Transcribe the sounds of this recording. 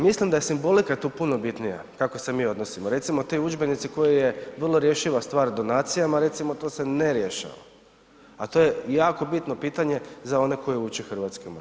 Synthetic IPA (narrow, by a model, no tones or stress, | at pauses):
mislimd̪ajesimbo̞likat̪uːpuno̞bit̪nija̰kako̞se̞miːo̞d̪no̞simoɾe̞t̪simot̪oud͡ʒbe̞nit̪siko̞jije̞ʋərlˠoɾje̞ʃiʋast̪ʋaːɾd̪o̞naːt̪sijamaɾe̞t̪simot̪o̞ːse̞neɾjeʃa̰ʋa̰ | at̪oje̞jaːko̞bit̪no̞piːt̪aɲe̞zao̞ne̞ko̞jiut͡ʃexr̩ʋaːt̪skom